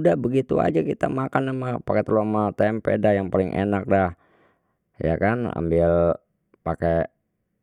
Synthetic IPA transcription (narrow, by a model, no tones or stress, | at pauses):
dahbəɡit̪ua̰d͡ʒakit̪a̰makanːamapakɛt̪əlomat̪ɛmpɛdahjaŋpalɪŋʔḛnak̚dah | ja̰kana̰mbɪl | pake